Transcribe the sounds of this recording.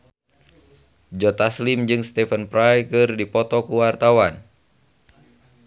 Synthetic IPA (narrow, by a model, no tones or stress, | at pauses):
d͡ʒɔt̪aslɪmd͡ʒɨŋst̪ɛfənpɾajkɨrdipɔt̪ɔkuwart̪awan